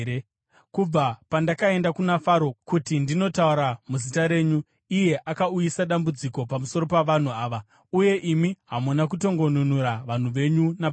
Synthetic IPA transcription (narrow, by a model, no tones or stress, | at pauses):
kub͡vapandakae̞ndakunafaɾo̞kutindino̞tauɾamuzitaɾe̞ːɲu | ije̞ʔakaujisaɗambud͡ziko̞pamuso̞ɾo̞paʋan̤uaːʋa | uje̞ʔimiɦamunak̬uto̞ŋɡo̞nunuɾaʋan̤uʋe̞ɲuna